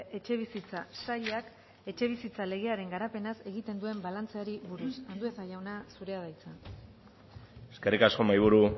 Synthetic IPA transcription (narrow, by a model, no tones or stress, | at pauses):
ʔe̞t͡ʃe̞β̞isit͡sasaʎak | e̞t͡ʃe̞β̞isit͡sale̞ɣ̞e̞aɾe̞ŋɡaɾape̞nase̞ɣ̞it̪e̞nd̪ue̞mbalant͡seaɾiβuɾusand̪uet̪aʝawnasuɾe̞að̞ajt͡sa | eskerikasko̞majβ̞uɾu